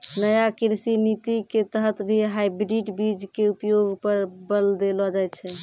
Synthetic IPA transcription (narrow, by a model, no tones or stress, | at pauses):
nəjakiɾsinit̪iket̪əɦət̪bʱiɦajbɾiʈbid͡ʒkeupjoɡʱpəɾbəld̪elɔd͡ʒajt̪t͡ʃʰɛ